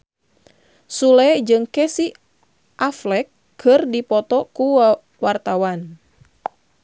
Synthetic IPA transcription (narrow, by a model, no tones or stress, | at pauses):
sulɛd͡ʒɨŋkɛsi | ʔaflɛkːʰ | ɨrdipɔt̪ɔku | wart̪awan